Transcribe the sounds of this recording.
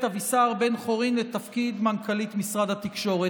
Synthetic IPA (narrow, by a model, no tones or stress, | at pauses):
thavisaʁbe̞nχo̞ʁimlet̪afkid̪mankalit̪misʁad̪hat̪ikʃo̞ʁe